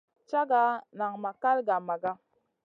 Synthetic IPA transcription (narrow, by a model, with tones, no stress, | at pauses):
t͡ʃa˦ɡa˦na˨ŋma˨ka˦lɡa˨ma˨ɡa˦